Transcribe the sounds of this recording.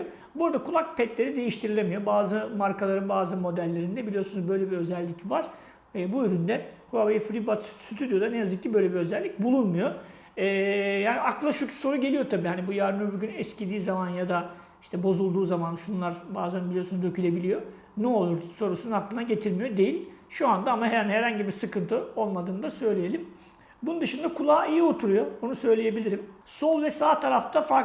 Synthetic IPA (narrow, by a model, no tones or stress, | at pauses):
buɾd̪akʰulˠak̚pʰɛt̪lʲe̞ɾid̪e̞jiʃt̪ʰiɾilʲemijo̞baːzɯmaɾkʰalˠaɾɯnbaːzɯmo̞d̪ælʲːe̞ɾind̪ɛbilʲijo̞sunuzbø̞jlʲe̞biø̞zɛlʲːicvaɾ̥ | ebuyɾynd̪ɛkʰabejfɾibat̪syt̪ʰyd̪ijo̞d̪anejazɯk̚cʰːibø̞jlʲebiø̞zɛlʲːic̚bulˠunmujo̞ | ɛːjaːniaklˠaʃyt͡ʃʰy̥so̞ɾuɟelʲijo̞t̪ʰabiːhanibujaɾd̪ɯmɯbyɟynɛscid̪iːzamanjad̪a | iʃt̪ʰɛbo̞zulˠd̪uːzamanʃunlˠaɾbaːzænbilʲijo̞sunuzøcʰylʲe̞bilʲijo̞ | nɛolˠuɾso̞ɾusunaklˠɯnaɟe̞t̪ʰiɾmijo̞d̪e̞jilʲʃuand̪aamaɦɛɾænhɛɾhaɲɟibiɾsɯkɯnt̪ʰɯo̞lˠmad̪ɯːnɯd̪asø̞jlʲeje̞lʲim | bunund̪ɯʃɯnd̪akʰulˠaːijio̞t̪ʰuɾujo̞onusø̞jlʲeje̞bilʲiɾimso̞lˠvɛsaːt̪ʰaɾaft̪ʰafa